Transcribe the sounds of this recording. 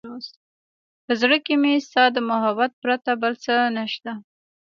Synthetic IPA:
os | pəzɽəkemest̪ɑd̪əmʊɦabat̪̚pɾat̪abəlt͡sənaʃt̪a

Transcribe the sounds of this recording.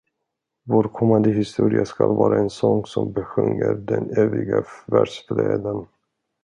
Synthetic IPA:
voːɾkʰɔmːand̪əɦɪst̪uːɾɪaskalvɑːɾaɛnsɔŋsɔmbɛɧɵŋːəɾd̪ɛnøːvɪɡavæɖʂfleːd̪ən

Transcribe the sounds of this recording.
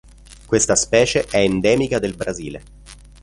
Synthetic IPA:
kwest̪aspɛːt͡ʃeʔɛend̪ɛːmikad̪elbɾazḭːle

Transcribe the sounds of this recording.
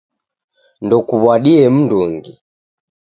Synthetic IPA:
ndɔkuβwaɗiɛm̩nduŋɡi

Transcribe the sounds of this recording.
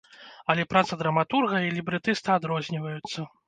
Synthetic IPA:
ɐlʲɛpɾat̪sɐd̪ɾɐmat̪urɣɐilʲibɾɨt̪ɨst̪ɨad̪ɾɔzʲnʲivɐjut̪sːɐ

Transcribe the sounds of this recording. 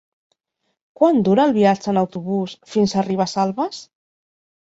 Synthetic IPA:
kwand̪uɾəːlˠβiat͡ʃəːnəwt̪uβ̞usfinsariβ̞əsalˠβəs

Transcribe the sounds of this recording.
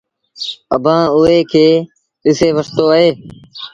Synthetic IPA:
əbʱãːʊɦeːkʰeː | ɪseːʋəst̪oːəɦeː

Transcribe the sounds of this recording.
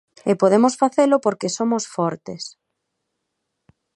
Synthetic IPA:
epoðemosfaθelopoɾkesomosfɔɾt̪es

